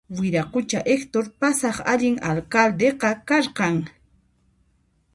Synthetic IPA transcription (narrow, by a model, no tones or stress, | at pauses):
wɪɾaqʊt͡ʃaʔekt̪oɾpasɑχa̰ʎɪŋalkald̪eqɑkaɾqɑŋ